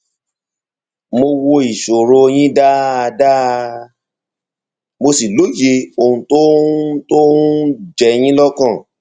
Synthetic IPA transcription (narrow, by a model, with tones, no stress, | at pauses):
mo˧wo˧i˨ʃo˨ɾo˨˧j̃ĩ˦da˦a˧da˦˧ | mo˧si˨lo˨˦je˧˦o˧˨hũ˧to˦to˦d͡ʒɛ˨j̃ĩ˦lɔ˦kã˦˨